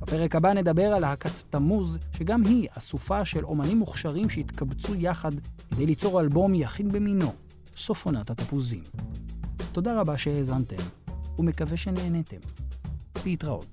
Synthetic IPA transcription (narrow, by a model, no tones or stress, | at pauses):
b̥ape̞ʁekabane̞d̪abe̞ʁalhakat̪ːamuzʃe̞ɡamɦiasufaʃe̞lo̞̰manimːuχʃaʁimʃeit̪kabt͡sujaχad̪ked̪e̞jlit͡so̞ʁalbo̞mjaχidbemino | so̞fonat̪hat̪apuzḭm | t̪o̞daʁabaʃe̞hezante̞mume̞kave̞ʃe̞neːnete̞̰m | leit̪ʁa̰ʔo̰t̚